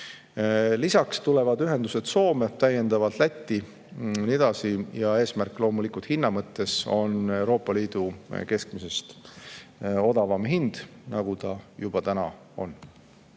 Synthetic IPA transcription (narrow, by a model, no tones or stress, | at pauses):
lisɑkst̪ule̞vɑd̪yɦe̞nd̪u̥se̞d̪̥so̞ːme̞t̪æje̞nd̪ɑvɑt̪læt̪ʲˑːi | nie̞d̪̥ɑsijɑe̞ːsmærkːˑlo̞ːmulikult̪hinːɑmɤt̪ːe̞so̞̰ne̞wɾo̞ːpːˑɑliːd̪̥uke̞skmise̞st̪ | o̞d̪̥ɑvɑmɦind̪̥nɑɡ̥ut̪ɑjub̥ɑt̪ænɑ | o̞̰n